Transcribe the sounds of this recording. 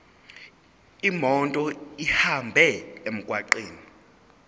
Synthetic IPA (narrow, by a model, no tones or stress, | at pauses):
imɔntʼɔihambʱɛem̩kʼwaǃiːni